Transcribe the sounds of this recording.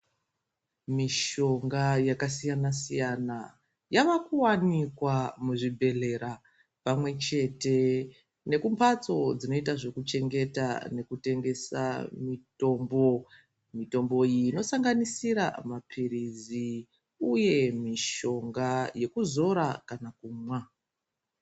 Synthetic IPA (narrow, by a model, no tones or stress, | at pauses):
miʃo̞ŋɡajakasijanasijana | jaʋakuwanikwamuʐibʱe̞le̞ɾa | pamwe̞t͡ʃe̞te̞ | ne̞kumpat͡so̞d͡zino̞itaʐe̞kut͡ʃe̞ŋɡe̞ta̰ne̞kute̞ŋɡe̞sa̰mito̞ːmbo̞ | mito̞mbo̞ino̞saŋɡanisiɾa̰mapʰiɾizi | uje̞miʃo̞ŋɡaje̞kuzo̞ɾakanakuːmwa